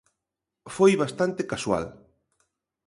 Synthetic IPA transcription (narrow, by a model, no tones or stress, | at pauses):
fojβast̪ant̪ekaswa̰l